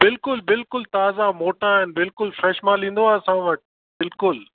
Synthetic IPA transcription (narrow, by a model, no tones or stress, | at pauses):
bɪlkʊlbɪlkʊlt̪aːzamoːʈãɦɪnɪbɪlkʊlfɾeːʃmãlĩːn̆d̪oaːsãʋɐʈ | bɪlkʊl